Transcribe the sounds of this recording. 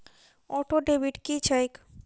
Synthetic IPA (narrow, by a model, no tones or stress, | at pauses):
ɔʈoɖebiʈkit͡ɕʰajk